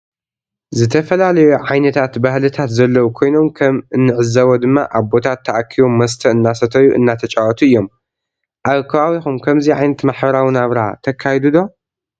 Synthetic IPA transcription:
zɨt̪ʰɐfɐlalɐjuʕajnɐt̪ʰat̪bahlɨt̪ʰat̪zɐlːɐwukʰo̞jno̞mkʰɐmɨnːɨʕɨzɐwod̪ɨmːa̰ʔaβbo̞t̪ʰat̪ʰːɐʔakʰːiβomːɐs̬t̪ʰɐɨnːasɐt̪ʰɐjuʔɨ̰nːat̪ʰɐt͡ʃʼawɐt̪ʰuɨjːo̞m | ʔaβkʰɐβawixumkʰɐmziʕajnɐt̪maħbɐɾawɨnaβɾat̪ʰɐkʰːajɛd̪ud̪o̞

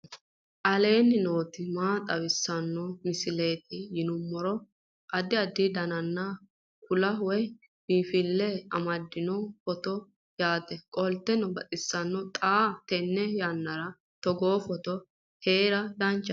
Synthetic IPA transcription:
ʔɐle̞ːnːɪno̞ːt̪ɪmaːt̪ʼɐwɪsːɐnːɔmɪsɪle̞ːt̪ɪjɪnʊmːɔɾɔ | ʔɐd̪ɪɐd̪ːɪd̪ɐnɐnːa | kʊlɐwɔj | miːfɪlːɛɐmɐd̪ːɪnɔfɔt̪ɔ | jaːt̪ɛkʼɔlt̪ːɛnɔbɐt̪ʼɪsːɐnːɔt̪ʼaːt̪ɛnːɛjanːɐɾɐ | t̪ɔɡoːfɔt̪ɔ | he̞ːɾɐd̪ɐnt͡ʃːɐ

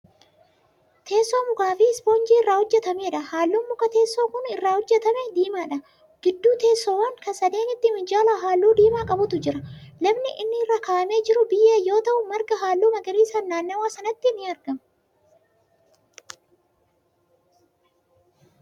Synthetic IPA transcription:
t̪ʰe̞ːsːoːmʊɡaːfiɪsboːnd͡ʒiːɪrːaːhɔd͡ʒːɛt̪ɐmeːᶑɐhaːlːuːmːʊkɐt̪e̞ːsːoːkʊnɪrːaːhɔd͡ʒːɛt̪ɐmed̪iːmaːᶑɐ | ɡ̥ɪd̪ːuːt̪e̞ːsːoːwɐŋkɐsɐd̪eːnɪt̪ːɪmɪd͡ʒaːlaːɦaːlːuːd̪iːmaːkʼɐbʊt̪ʊd͡ʒɪɾɐlɐbnɪʔɪnːɪɪrːaːkaːʔɐme̞ːd͡ʒɪɾʊbɪjːeːjo̞ːt̪ɐʔʊmɐɾɡɐɦaːlːuːmɐɡɐɾiːsɐnːaːnːɐwaːsɐnɐt̪ːɪnːɪɐɾɡɐm

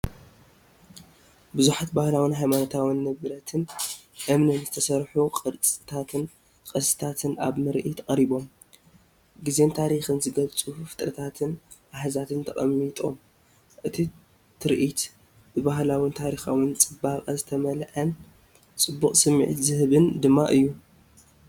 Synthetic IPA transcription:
bɨzuħat̪̚bahlawɨnɦajmanot̪ʰawɨnːɐβɨɾɐt̪ʰɨnʔɨmnɨnzɨt̪ʰɐsɐɾħuqʼɨɾt͡sʼɨt̪ʰat̪ʰɨn | kʼɐsɨ̥t̪ʰat̪ʰɨnʔa̰βmɨɾʔit̪ʰkʼɐɾiβo̞m | ɡɨze̞nt̪ʰaɾixɨnzɨɡɐlt͡sʼufɨ̥t̪ʼɾɐt̪ʰat̪ʰɨn | ʔaħazat̪ʰɨnt̪ʰɐχʼɐ̰mːit̪ʼo̞m | ʔɨt̪ʰi | t̪ʰɨɾʔit̪ | bɨbaɦlawɨnt̪ʰaɾixawɨnt͡sʼɨbakʼazɨt̪ʰɐmɐlʔɐn | t͡sʼɨbːuqʼsɨmːḭʕḭt̪zɨhɨβɨnd̪ɨmːaʔɨjːu

